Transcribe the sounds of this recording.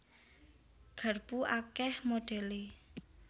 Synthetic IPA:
ɡ̥a̤rb̥uʔakɛhmoɖ̥ɛ̤le

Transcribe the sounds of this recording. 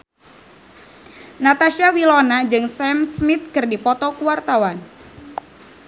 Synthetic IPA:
nat̪aʃiawilɔnad͡ʒɨŋsɛmsmit̪̚kɨrdipɔt̪ɔkuart̪awan

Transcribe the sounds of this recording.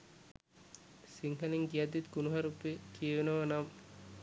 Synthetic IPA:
siŋɦɐliŋɡijad̪ːit̪ɡunuɦaɾupːekijeʋenɐʋɐnam

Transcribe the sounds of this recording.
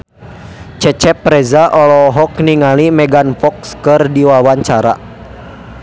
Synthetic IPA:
t͡ʃɛt͡ʃɛpːɾɛzaʔɔlɔɦɔkniŋalimɛɡanfɔkskɨrdiwawaɲt͡ʃaɾa̰

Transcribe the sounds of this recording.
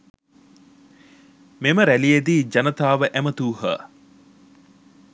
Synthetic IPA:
meməɾælijed̪iːd͡ʒɐnət̪aːʋəʔæmət̪uːɦə̰

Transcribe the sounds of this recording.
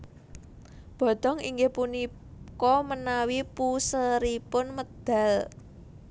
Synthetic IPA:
b̥ɔ̤d̪̥ɔ̤ŋḭŋɡepuni | kɔmənawipusəɾipʊnməd̪̥a̤l

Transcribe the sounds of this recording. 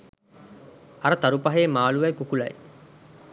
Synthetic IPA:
ɐɾət̪ɐɾupɐɦeːmaːluʋɐjkukulɐ̰j

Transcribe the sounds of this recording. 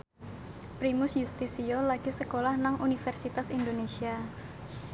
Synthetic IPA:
pɾimʊsjust̪isiolaɡ̥isəkolahnaŋʔunifɛrsit̪asind̪onesia

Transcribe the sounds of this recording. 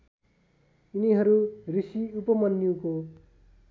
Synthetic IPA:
uniɦʌɾurisiupʌmʌnːjuko

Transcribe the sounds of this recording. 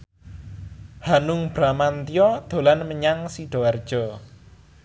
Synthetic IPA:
hanʊŋb̥ɾamant̪ijɔd̪̥o̤lanməɲaŋsiɖ̥ɔ̤ward̥ʒ̥ɔ

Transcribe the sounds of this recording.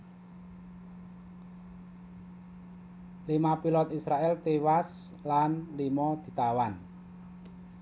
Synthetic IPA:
limapilɔt̪isɾaʔɛlt̪ewaslanlimɔd̪̥i̤t̪awan

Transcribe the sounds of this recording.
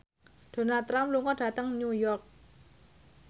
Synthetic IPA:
d̥o̤nalt̪ɾamluŋɔɖ̥ä̤t̪əŋnujɔrk̚

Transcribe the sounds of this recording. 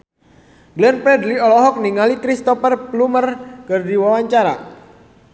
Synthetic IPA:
ɡlɛnpɾɛdliɔlɔɦɔk̚niŋalikɾist̪ɔfərplumərkərdiwawaɲt͡ʃaɾa̰

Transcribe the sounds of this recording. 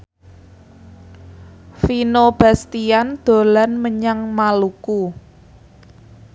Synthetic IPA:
finob̥a̤st̪iand̪̥o̤lanməɲaŋmaluku

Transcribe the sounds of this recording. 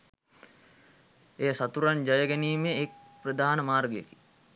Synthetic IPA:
ejsat̪uɾand͡ʒɐjəɡɛniːmeːk̚prəd̪aːnəmaːrɡəjəki̥

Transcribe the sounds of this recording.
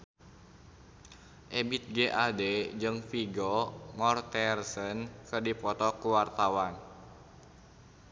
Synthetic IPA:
ʔɛbit̪̚ɡeʔaded͡ʒɨŋfiɡɔmɔrt̪ɛrsənkɨrdipɔt̪ɔkuwart̪awan

